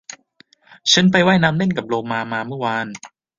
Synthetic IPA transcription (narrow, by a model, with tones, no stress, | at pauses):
t͡ɕʰa˦˥npa˧jwaː˥˩jnaː˦˥mne˥˩nka˨˩p̚loː˧maː˧maː˧mɯː˥˩˨waː˧n